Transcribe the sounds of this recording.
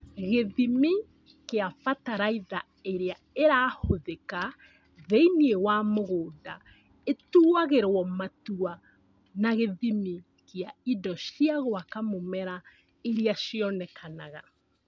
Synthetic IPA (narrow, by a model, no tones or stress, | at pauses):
ɣeðimi | keafataɾaiða | eɾea | eɾaːhoðeka | ðeiniewamoɣoːda | etuaɣeɾwɔmatua | naɣeðimi | keaidɔʃiaɣoakamomɛɾa | eɾiaʃiɔnɛkʰanaɣa̰